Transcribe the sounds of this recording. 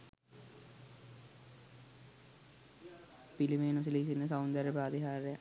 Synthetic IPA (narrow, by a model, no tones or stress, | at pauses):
pilimeːnus̬ilisinːəs̬awnd̪ɐɾəpɾaːd̪iɦaːɾeja